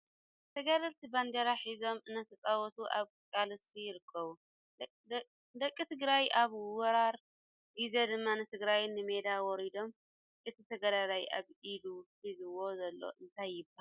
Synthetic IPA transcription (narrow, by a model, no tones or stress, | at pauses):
t̪ʰɐɡaɾɐlt̪ʰiband̪ɐɾaħizo̞mɨnːɐt̪ʰɐt͡sʼawɔt̪ʰuʔa̰β | kʼalɨsijɪɾɨkʰːɐβu | d̪ɐkʼːit̪ʰɨɡɾajaβwɔɾaɾ | dized̪ɨmːanɨt̪ʰɨɡɾajnːɨme̞d̪awɔɾid̪o̞m | ʔɨt̪ʰit̪ʰɐɡɐɾaɾajʔa̰βiluħizɨwo̞zɐlːo̞̰ʔɨnt̪ʰajːɪbːaha